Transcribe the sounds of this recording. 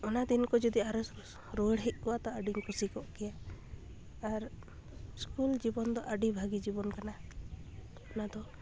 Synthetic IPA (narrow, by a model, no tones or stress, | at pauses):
ɔnad̪inkɔd͡ʒɔd̪iaɾɔ | ɾoɽɦɛc̚ˀkɔwat̪ɔaɖiŋkɔsikɔʔkɛjaː | ɾ | skuld͡ʒibɔnd̪ɔʔəɖibʱaɡid͡ʒibɔnkana | ɔnad̪ɔ